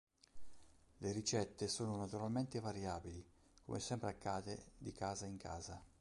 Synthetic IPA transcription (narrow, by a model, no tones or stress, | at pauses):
leɾit͡ʃɛt̪ːesoːnonat̪uɾalment̪evaɾjaːbili | ko̰mʔesɛmpɾeakːaːd̪ed̪ikaːzaiŋkʰa̰ːza